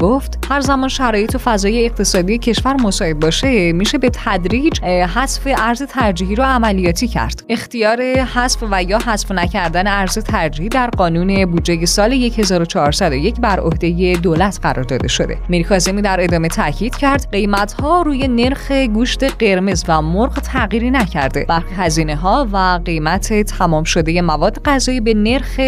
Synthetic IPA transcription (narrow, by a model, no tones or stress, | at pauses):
ɡ̥oft̪hæɾzæmɒːnʃæɾɒːje̞t̪ʰo̞fæzɒːje̞ːq̚t̪ʰe̞sɒːd̪ije̞cʰe̞ʃvæɾmo̞sɒːʔe̞d̪̚bɒːʃe̞miʃe̞be̞t̪ʰæd̪ɾiːd͡ʒɦæsfe̞ʔæɾze̞t̪ʰæɾd͡ʒiːhɦiɾɒæmælijɒːt̪ʰiːcʰæ̰ɾd̪̥e̞xt̪ijɒːɾe̞hæsfvæjɒːhæsfnæcʰæɾd̪æne̞æɾze̞t̪ʰæɾd͡ʒihid̪æɾɢɒːnuːne̞buːd͡ʒːe̞je̞sɒːle̞je̞che̞zɒːɾot͡ʃʰɒhɒɾsæd̪o̞je̞cʰbæɾʔo̞̰hd̪e̞je̞d̪oːlæt̪ʰɢæɾɒ̰ɾd̪ɒ̰ːd̪e̞̰ʃo̞̰d̪e̞̰miɾikʰɒːzemiːd̪æɾe̞d̪ɒːme̞t̪ʰæcʰiːd̪̥cʰæɾd̪ɢe̞jmæt̪hɒːɾuːje̞ne̞ɾxe̞ɡuːʃt̪e̞ɢe̞ɾme̞zvæmoɾɣt̪ʰæɣiːɾinæcʰæɾd̪e̞̰b̥æɾxiɦæziːne̞ɦɒːvæɢe̞jmæt̪ʰe̞t̪ʰæmɒːmʃo̞d̪e̞je̞mævɒːd̪ːe̞ɣæzɒːiːbe̞ne̞ɾxe